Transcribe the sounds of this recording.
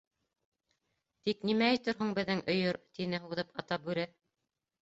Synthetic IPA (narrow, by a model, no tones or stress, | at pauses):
t̪iknimæːjt̪ɘɾɦɤŋbɘ̆ðːɘŋʔɵ̆jɤɾt̪inɘɦuðɤpɑt̪ɑp̚bʉɾæ